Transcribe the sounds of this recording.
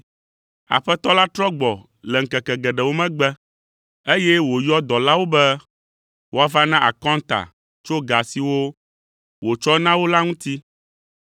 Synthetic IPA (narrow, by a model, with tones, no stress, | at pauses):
a̰˨ɸɛ˦t̪ɔ˦la˦t̪ɾɔ˦ɡ͡bɔ˨ | lɛ˨ŋ̩˨kɛ˨kɛ˨ɡɛ˨ɖɛ˨wo˦mɛ̃˦ɡ͡bɛ˦ | e˦jɛ˦wo˨jɔ˦d̪ɔ˨la˦wo˦bɛ˦ | wo˦a˦va˦nã˦ʔa̰˨kɔ̃˦ŋ˦t̪a̰˨ | t͡ʃo˦ɡa˨si˨wo˦ | wo˨t͡ʃɔ˦nã˦wo˦la˦ŋũ˦t̪i˦